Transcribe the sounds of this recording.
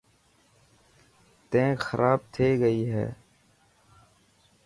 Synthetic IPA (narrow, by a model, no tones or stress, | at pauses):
t̪ẽːxəɾʔaːb̚t̪ʰeːɡəiːɦɛ̰ː